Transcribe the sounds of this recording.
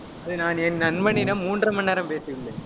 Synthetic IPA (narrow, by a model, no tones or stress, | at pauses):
ɐðɯnaːnɛnːɐnmɐnɪnɐmuːndrɐmɐnːeːɾɐmpeːsɯʋɪlːɐ